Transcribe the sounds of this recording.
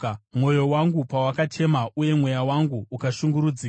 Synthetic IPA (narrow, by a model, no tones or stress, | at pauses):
mwo̞jo̞waŋɡupawakatʰe̞maʔuje̞mwe̞jawaŋɡuːkaʃuŋɡuɾud͡ziː